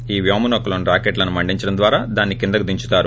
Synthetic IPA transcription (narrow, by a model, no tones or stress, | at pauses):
iːʋjoːmɐnokːɐlonuɾaːkeʈlɐnumɐɳɖiɲt͡ʃɐɽɐnd̪ʋaːɾaːd̪aːnːikind̪ɐkud̪iɲt͡ʃu̥t̪aːɾu